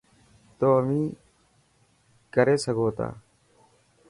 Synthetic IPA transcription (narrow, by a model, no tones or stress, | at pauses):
t̪oːəʋĩː | kəɾeːsəɡoːt̪a̰ː